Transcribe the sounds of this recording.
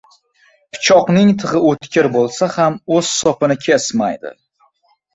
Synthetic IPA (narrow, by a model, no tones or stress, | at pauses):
pʰʊ̥t͡ʃʰɒqnɪŋt̪ʰɨʁɪot̪kʲɪɾbolˠsahamɵz̥sɒpɪnɪkʲʰesmajd̪ɪ̰